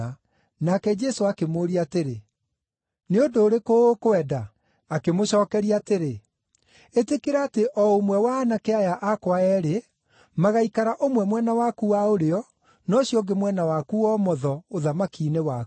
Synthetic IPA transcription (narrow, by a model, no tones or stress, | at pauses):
a | nakɛd͡ʒɛsoakemoːɾiateɾe | neondoːɾekokoɛdaː | kemoɕɔːkɛɾiateɾe | etekeɾaːteʔɔomwɛwaːnakeajaʔakwaɛɾe | maɣaikaɾaʔomwɛmwɛnawakuwaoɾeɔ | nɔɕijɔɡemwɛnawakuɔmɔðɔoðamakiːnewak